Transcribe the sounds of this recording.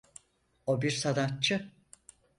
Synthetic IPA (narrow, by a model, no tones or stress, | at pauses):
obiɾsad̪at̪̚t͡ʃʰɯ